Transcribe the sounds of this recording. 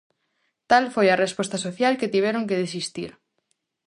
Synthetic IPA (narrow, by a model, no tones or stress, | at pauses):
t̪alfojɐrespɔst̪asoθjalket̪iβ̞ɛɾoŋkeðes̬ist̪iɾ